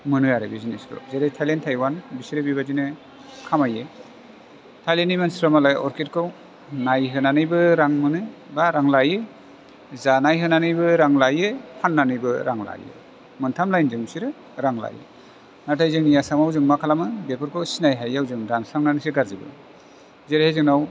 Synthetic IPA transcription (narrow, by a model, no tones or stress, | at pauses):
mɯnɯaɾebizinesɾo̰zeɾejtʰajlentʰajwanbisiɾɯbibazinɯ | kʰamaje | tʰajlenijmansɾamalajɔɾket̚kʰɯw | najɦɯnanɯjbɯɾaŋmɯnɯ | baɾaŋlajɯ | zanajɦɯnanɯjbɯɾaŋlajɯpʰanːanɯjbɯɾaŋla̰jɯ̰ | mɯntʰamlajnzɯŋsiɾɯ | ɾaŋla̰jḛ | natʰajzɯŋnijasamawzɯŋmakʰalamɯbepʰɯɾkʰɯwsinajɦajawzɯŋdansaŋnanɯsiɡaɾzibɯ̰ | zeɾehejzɯŋnaw